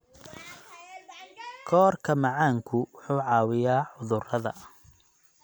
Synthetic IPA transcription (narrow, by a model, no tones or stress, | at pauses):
kʰɔːrkʰɐmɑʕɑːŋkʰʊwʊħuːʕɑːwɪjaːʕʊðʊrɐðɐ̰